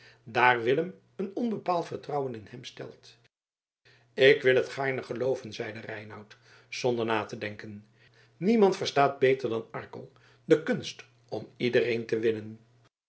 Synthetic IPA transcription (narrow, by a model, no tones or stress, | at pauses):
daːrʋɪləm | ənɔnbəpaːlˠtfəɹtrʌwənɪnɦɛmstɛ̰lˠt | ɪkʋɪlˠɦətχaːɹnəχəlowvənzɛjdərɛjnɑwt | z̥ɔndəɹnaːtədɛŋkən | nimɑntfəɹstaːd̚bejtəɹdɑnɑɹkə̰lˠ | dəkɵnst | ɔmidərejntəʋɪnən